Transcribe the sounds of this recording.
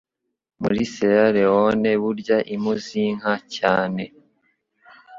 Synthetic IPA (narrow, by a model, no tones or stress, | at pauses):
mṵɾisejaɾewone̞βuɾɟaʔimuziŋ̥hacaːne̞